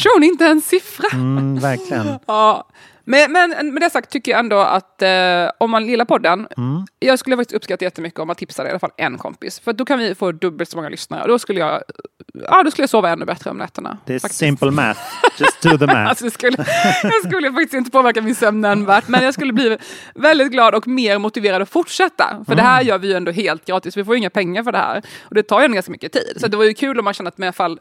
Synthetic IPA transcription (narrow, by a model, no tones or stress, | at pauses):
uːnɪnt̪əɛnsɪfɾavæɾkʰlɪɡəɑː | mɛmɛnmɛd̪ɛhasak̚t̪ʰːʏkːəjɑɛnd̪ɔa̰t̪ɔmːanlɪlːapʰɔd̪ːənjɑːɡskɵlːəfakt̪ɪst̪ɵpːskat̪ːajɛt̪ːəmʏkːəɔmant̪ʰɪpsad̪ɛjalafa̰lːʔɛ̰nkʰɔ̰mpɪ̰sfœɾat̪̚d̪ɔkʰanvɪfoːd̪ɵbːəlt̪sɔmɔŋːalʏsnaɾə̰ɔ̰d̪ɔskɵlːəjɑ̰ː | ɑ̰ːd̪ɔskɵləjɑːsoːvaɛnːʉ̰ːbɛt̪ɾə̰ɔ̰mlɛ̰ːt̪ːəɳa̰d̪faksɪ̃mpəl̩mæ̰td͡ʒsðəæ̰sɔd̪ɛskɵlːəskɵlːəjfak̚t̪ɪst̪ɪnt̪əpʰoːvæɾkamɪnsɛmnɛnvæːʈmɛnjɑːskɵlːəbliː | vɛld̪ɪt̪̚ɡlɑːd̪ɔkmeːɾmʊt̪ɪveːɾad̪ɔfʊʈʂɛt̪ːa̰fœɖɛɦæːɾjœːɾvɪjɵɛnd̪ɔɦeːlt̪̚ɡɾɑːt̪ɪsvɪfoːjɵɪŋːapʰɛŋːaɾfœɖɛhæ̰ːɾɔd̪ɛt̪ʰɑːɾjɛnd̪ɡanskamʏkːət̪ʰḭːd̪̥sɔat̪̚d̪ɛvaɾjɵkʰʉ̟ːlɔmːanɕɛnːəat̪mɛnafalː